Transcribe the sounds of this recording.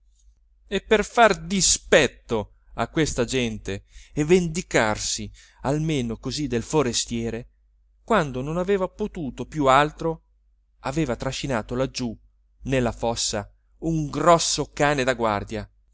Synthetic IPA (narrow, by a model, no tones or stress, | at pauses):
epːerfard̪ispɛt̪ːo | a̰kːwest̪ad͡ʒɛnt̪eevend̪ikarsi | almeːnokozid̪elfoɾest̪jɛːɾe | kwand̪ononaveːvapot̪uːt̪opjualt̪ɾo | aveːvat̪ɾaʃinaːt̪olad͡ʒːu | nelːafɔsːa | uŋɡɾɔsːokaːned̪aɡwa̰rd̪ja